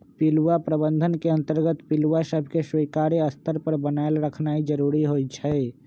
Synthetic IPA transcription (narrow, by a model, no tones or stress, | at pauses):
piluwapɾəbənd̪ʱənkeə̃nt̪əɾɡət̪pilʋasəbʱkeswiːkaːɾeəst̪əɾpəɾbənaelɾəkʰnaːid͡ʒəɾuɾiɦoit͡ʃʰə